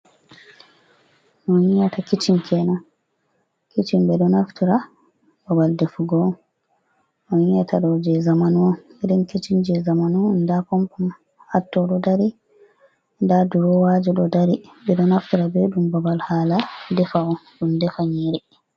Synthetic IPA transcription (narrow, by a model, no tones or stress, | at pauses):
nɔhiŋjatakit͡ʃimkʰɛna | kit͡ʃimbɛɗɔnaftiɾa | babaldefuɡɔ | nɔjiŋjatʰaɗɔd͡ʒɛzamanuɔiɗinkit͡ʃind͡ʒɛzamanundapɔmpɔm | hatːɔɗɔdaɾi | ndaduɾɔwad͡ʒɔɗɔdaɾibɛɗɔnaftiɾabeɗumbabalhaːladɛfaɔɗumdɛfaɲiɾi